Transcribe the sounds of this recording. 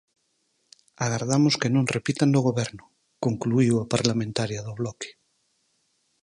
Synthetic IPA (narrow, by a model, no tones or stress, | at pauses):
aɣaɾðamoskenõnrepit̪and̪oɣ̞oβɛɾnʊ | koŋkluiwapaɾlamẽnt̪aɾjaðoβlɔke̥